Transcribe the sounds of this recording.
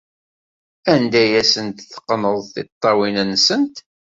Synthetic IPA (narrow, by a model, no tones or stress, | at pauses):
ænd̪æjæsənt̪θə̥qːənəðˤθɪt̪ˤːɑwinənːsənt̪